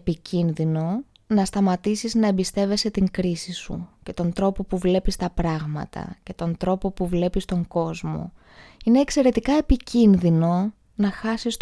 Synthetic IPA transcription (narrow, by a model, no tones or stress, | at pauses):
picʰinðino̞ | nɐst̪ɐmɐt̪isiznɐembist̪e̞ve̞se̞t̪iŋkɾisisṵce̞t̪o̞nt̪ɾo̞po̞puvle̞pist̪ɐpɾɐɣmɐ̰t̪ʰɐ̰ce̞t̪o̞nt̪ɾo̞po̞puvle̞pist̪o̞ŋɡo̞zmo̞̰ | ine̞ːkse̞ɾe̞t̪ikɐepicinðino̞ | nɐxɐsist̪